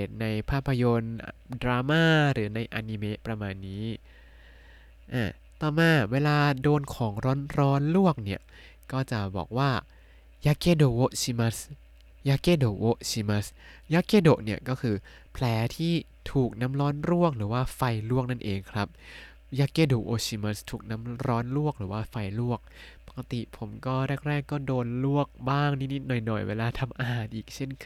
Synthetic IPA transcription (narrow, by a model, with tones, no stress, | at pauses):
eː˨˩t̪̚na˧jpʰaː˥˩pʰːa˧jo˧ndɾaː˧maː˥˩ɾɯː˩˦na˧jʔa˧ni˧me˦˥pɾa˧maː˧nːiː˦˥ | ʔa̰ː˧˩ | t̪ɔː˨˩maː˧˩weː˧laː˧doː˧nkʰɔː˩˦ŋɾɔː˦˥nɾɔː˦˥nlu˥˩ək̚ni˥˩ə | kɔː˥˩t͡ɕa˨˩ʔbɔ̰ː˨˩k̚waː˥˩ | jaː˦˥keː˥˩doː˨˩wo˦˥ʔsi˧ma˦˥s | jaː˦˧˥keː˥˩do˨˩wo˦˥ʔsiː˧ma˦˥s | ja˦˥kːeː˥˩doː˨˩ʔni˥˩əkɔː˥˩kʰɯː˧ | pʰlɛː˨˩˦t̪ʰiː˥˩ | t̪ʰuː˨˩k̚na˦˥mɾɔː˦˥nɾu˥˩ək̚ɾɯː˩˦waː˥˩fa˧jlu˥˩ək̚na˥˩nʔeː˧ŋkʰɾa˦˥p̚ | jaː˦˥kːeː˥˩doː˨˩ʔoː˧t͡ɕiː˧ma˦˥st̪ʰuː˨˩k̚na˦˥mɾɔː˦˥nlu˥˩ək̚ɾɯː˩˦waː˥˩fa˧jlu˥˩ək̚pa˨˩kːa˧t̪ḭ˨˩pʰo˩˦mkɔː˥˩ɾɛː˥˩k̚ɾɛː˥˩kːɔː˥˩doː˧nlu˥˩ək̚baː˥˩ŋniː˥ni˦˥t̪̚nɔ˨˩jnɔ̰˨˩jwḛː˧laː˧t̪ʰa˧mʔa˧ɦaː˨˩n̚ʔiː˨˩k̚t͡ɕʰe˥˩nkʰ